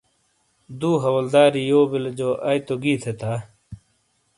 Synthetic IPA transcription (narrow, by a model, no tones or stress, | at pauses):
d̪uːɦɐwɐld̪aːɾijoːbild͡ʑoːʔɐjt̪oɡiːt̪ʰet̪ʰaː